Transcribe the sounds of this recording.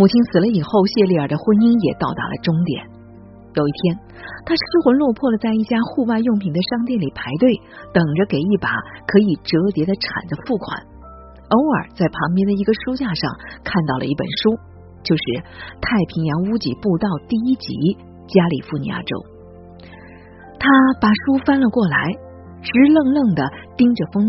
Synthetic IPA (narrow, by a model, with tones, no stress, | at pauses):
mu˨˩t͡ɕʰi˥nt͡sʰɹ̩˨˩lə˦i˨˩xo˥˧ʊɕjɛ˥˧li˥˩ə˞˨˩d̪ə˦xwə˥ni˥ŋjɛ˨˩t̪ɑ˥˩ʊt̪a̰˧˥lə̰˧ʈ͡ʂʊ˥ŋt̪jɛ̰˨˩˦n | jo˨˩ʊi˥˩t̪ʰjɛ˥n | t̪ʰa˥ʂ̩˥xwə˧˥nlwɔ˥˧pʰwɔ˥˩lə˩t͡sa˥˧ɪi˥˩t͡ɕja˥xu˥˧wa˥˧ɪjʊ˥˩ŋpʰi˧˥ŋd̪ə˧ʂɑ˥˧ŋt̪jɛ˥˩nli˨˩pʰa˧˥ɪt̪we˥˩ɪt̪ɤ˨˩ŋʈ͡ʂə˦ke˨˩ɪi˥˩pa̰˨˧˩kʰɤ˧˥i˨˩ʈ͡ʂɤ˧˥t̪jɛ˧˥d̪ə˧ʈ͡ʂʰa̰˨˩nd͡zə˦fu˥˩kʰwa̰˨˩˦n | o˧˥ʊə̰˞˨˩t͡sa˥˩ɪpʰɑ˧˥ŋpjɛ˥nd̪ə˨i˧˥ɡə˧ʂu˥t͡ɕja˥˧ʂɑ˥˧ŋkʰa˥˧nt̪ɑ˥˩ʊlʔə̰˩i˥˩pə̰˨˩nʂu˥ | t͡ɕjo˥˧ʊʂɻ̩˥˩t̪ʰa˥˩ɪpʰi˧˥ŋjɑ˧˥ŋu˥t͡ɕḭ˨˩pu˥˧t̪ɑ˥˧ʊt̪i˥˩i˥t͡ɕḭ˧˥ | t͡ɕja˥lḭ˨˩fu˥˩nḭ˧a̰˥˩ʈ͡ʂo̰˥ʊ | t̪ʰa˥pa˨˩ʂu˥fa˥nlə˨kwɔ˥˩la˧˥ɪ | ʈ͡ʂɻ̩˧˥lɤ˥˧ŋlə˥˩ŋd̪ə˩t̪i˥ŋʈ͡ʂə˨fɤ˥ŋ˥